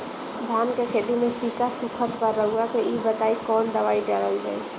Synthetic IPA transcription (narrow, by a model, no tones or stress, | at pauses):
d̪ʱankekʰed̪imesikasukʰət̪pəɾːəɡuakeʔibət̪aikɔnd̪əʋaiɖəɾəld͡ʒa̰j